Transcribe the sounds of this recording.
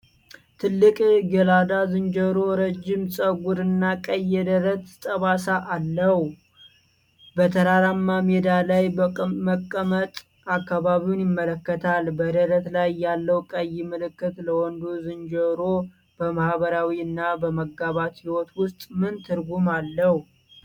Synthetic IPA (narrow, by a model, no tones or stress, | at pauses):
t̪ʰɨlːɨkʼɡəlad̪azɨnd͡ʒəɾo̞ɾəd͡ʒːɪmsʼəɡʷuɾɨnːakʼəjːɛd̪əɾət̪t̪ʼəβasaʔalːəh | bət̪ʰəɾaɾamːamɛd̪alajbəməkʼːəmət̪ʼ | akːaβaβiwunjɪmːələkːət̪ʰalbəd̪əɾət̪lajːalːəwkʼəjɪmɨlɨkːɨt̪ləwɔnd̪uzɨnd͡ʒəɾo | b̥əmahβəɾawiɨnːabəməɡːaβat̪hiwɔt̪wʊst̪ʼmɨnt̪ʰɨɾɡumalːəhu